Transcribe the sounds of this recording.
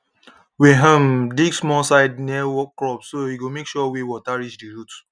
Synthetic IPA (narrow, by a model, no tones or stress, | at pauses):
wiɦə̃mdiɡsmɔsaɪd̚nɛwɔkːɹɔpsoiɡomekʃuɔwiwɔtaɹiʃdiɹut